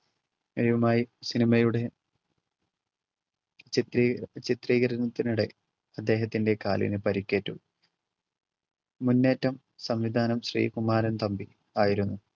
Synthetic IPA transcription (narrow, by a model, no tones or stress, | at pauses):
eɾiʋɐmaːjisinimɐjuɽe̞ | t͡ɕit̪riːɣɐɾɐnɐt̪ːinuɽe̞ | ɐd̪ːe̞ːɦɐt̪ːinde̞kaːlḭnɨpɐɾikʲːe̞ːtːu | munːe̞ːtːɐm | sɐmʋid̪ʱaːnɐmɕrḭːkumaːɾɐnt̪ɐmbi | aːjiɾunːu